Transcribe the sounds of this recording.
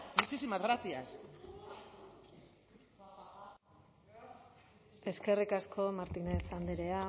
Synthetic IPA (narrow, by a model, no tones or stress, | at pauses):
mut͡ʃisimazɣɾasias | e̞ske̞rikaskʰo̞maɾt̪ine̞sand̪eɾe̞a